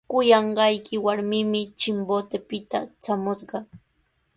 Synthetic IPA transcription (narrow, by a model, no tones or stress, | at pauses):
kʊjɑɴɢɑjkɪwaɾmɪmɪt͡ʃɪmbot̪epɪt̪a̰t͡ʃamʊsɢɑ